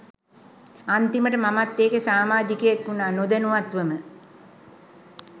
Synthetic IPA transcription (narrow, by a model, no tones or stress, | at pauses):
ant̪iməʈəmamat̪ːeːkesaːmaːd͡ʒ̪ikəjekːunaːnod̪ənuat̪ʋəmə